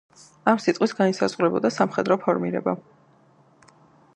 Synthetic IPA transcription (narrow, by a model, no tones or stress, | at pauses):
amsit̪ʼqʼwisɡaisazʁuɾɛbɔd̪asamχɛd̪ɾɔpʰɔɾmiɾɛ̰ba